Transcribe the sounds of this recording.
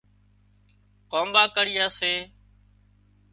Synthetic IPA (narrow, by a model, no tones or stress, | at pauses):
koːmbaːkəɽiːjaːseː